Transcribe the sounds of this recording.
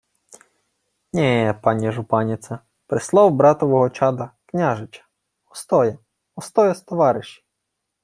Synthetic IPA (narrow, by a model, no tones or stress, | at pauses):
nʲɛpɑnʲiʒʊpɑnʲɪt̪sɐ | pɾɪslˠɑwbɾɑt̪ɔʋɔɦɔt͡ʃɑd̪ɐknʲaʒɪt͡ʃɐ̥ | ɔst̪ɔjɐ | ɔst̪ɔjɐst̪ɔʋɑɾɪʃʲi̥